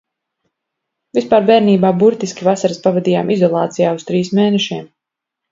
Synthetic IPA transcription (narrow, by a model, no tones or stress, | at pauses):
vispaːɾbɛːɾniːbaːbuɾt̪iskʲivasaɾspavɛd̪iːjaːmʔizɔlˠɑ̰ːt̪sijaːust̪ɾiːsmeːnɛʃiɛm